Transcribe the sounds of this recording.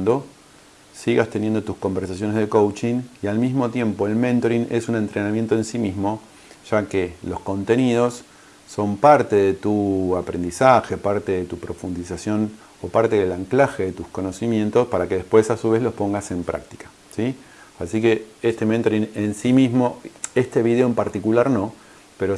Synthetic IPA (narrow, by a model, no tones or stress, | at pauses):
d̪o̞ | siɣast̪e̞njend̪ot̪usko̞mbeɾsas̬jo̞nezðekowt͡ʃiŋialmizmot̪je̞mpo̞e̞lmẽnt̪oɾinesune̞nt̪ɾenamjent̪oe̞nsimizmo̞ | ʒ̥akelo̞sko̞nt̪e̞nið̞o̞sː | o̞mpaɾt̪e̞ðe̞t̪uapɾe̞nd̪isaxe̞paɾt̪e̞ðet̪upɾo̞fund̪isasjo̞n | opaɾt̪e̞ðelaŋklaxe̞ðet̪usko̞no̞simje̞nt̪o̞spaɾake̞ðe̞hpwe̞sasuβe̞zlo̞spo̞ŋɡase̞mpɾʔa̰k̚t̪i̥kḁ | si | asike̞est̪e̞ment̪oɾinensimizmo̞e̞st̪e̞βiðe̞oempaɾt̪ikulaɾno̞ | pe̞ɾo̞